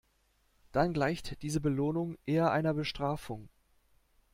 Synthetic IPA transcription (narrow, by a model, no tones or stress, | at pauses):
d̥anɡlaɪçtd̥iːzəbəloːnʊŋʔeːɐʔa̰ɪnɐbəʃtʁ̥aːfʊŋ